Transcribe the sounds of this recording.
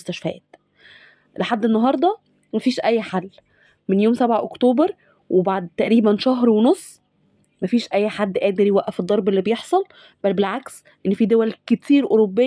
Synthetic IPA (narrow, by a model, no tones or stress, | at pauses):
st̪æʃfæʔæ̰ːt̪ | leħad̪ːenːɑɦɑɾˤd̪ˤɑ | mæfiːʃʔæjːħalː | menjoːmsæbʕaʔokt̪oːbeɾ | wʔebaʕd̪̚t̪æʔɾiːbænʃæɦɾwenosˤː | mæfiːʃʔæjːħad̪ːʔæːd̪eɾjewæʔæfid̪ˤːɑɾˤbelːibejeħsˤɑl | bælbelʕaks | ʔenːfiːd̪owælket̪iːɾʔoɾobːe